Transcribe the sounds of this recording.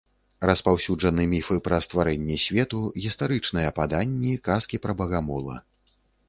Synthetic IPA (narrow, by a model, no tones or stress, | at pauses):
rɐspawsʲud͡ʐʐɐnɨmʲifɨpɾɐst̪vaɾɛnʲːɛsʲvʲɛt̪uɣʲist̪aɾɨt͡ʂnɨjɛpad̪anʲːikaskʲipɾɐbɐɣamɔlˠɐ̰